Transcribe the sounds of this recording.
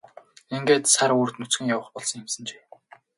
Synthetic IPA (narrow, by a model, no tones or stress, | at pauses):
eŋɡeːt̪saɾuːrt̪nut͡sɡɘ̆ŋjawə̆χpɔɮsɞ̆ŋemsə̆nt͡ɕe̥ː